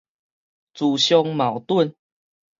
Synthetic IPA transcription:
t͡su˨˩ɕjɔ˧ŋma˨˩wt̪wə˥˨n

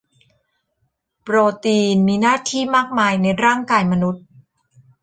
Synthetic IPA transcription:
pɾoː˧t̪iː˧nmiː˧naː˥˩t̪ʰiː˥˩maː˥˩k̚maː˧jna˧jɾaː˥˩ŋkaː˧jma˧nu˦˥t̪̚

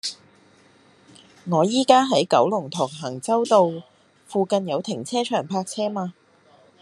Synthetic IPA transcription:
ŋɔː˨˧jiː˥kaː˥ɦɐ˨˥jkɐ˨˥wlʊ˨˩ŋt̪ʰɔː˨˩k̚ɦɐ˨˩ŋt͡sɐ˥wt̪o˨w | fuː˨˧kɐ˨˧njɐ˨˧wt̪ʰɪ˨˩ŋt͡sʰɛː˥t͡ʃʰœː˨˩ŋpʰaː˧k̚t͡sʰɛː˥maː˧

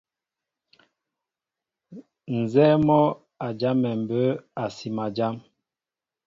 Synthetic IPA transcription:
n̩˨zɛ˦mɔ˦ | a˨d͡ʒa˦mːɛ˨m̩˨bə˦a˨si˨ma˨d͡ʒa˦m

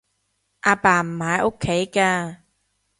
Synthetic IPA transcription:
ʔaː˧paː˨˩m̩˨˩haː˨˧jʔo˥kʰːe˨˥jkaː˧

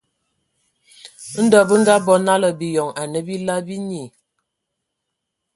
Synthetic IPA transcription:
n̩˦dɔ˦˨bə˦ŋ̩˦ɡa˦bɔ˦na˦lə˨bi˨jɔ˨ŋa˨nə˦bi˦la˦bi˦ni˨

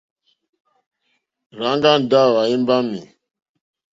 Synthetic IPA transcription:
ɾã˨˦ŋɡa˦n˨da˦˨wa˨i˦m˦ba˦mḭ˨

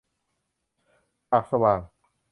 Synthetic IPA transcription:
paː˨˩k̚sa˧waː˨˩ŋ

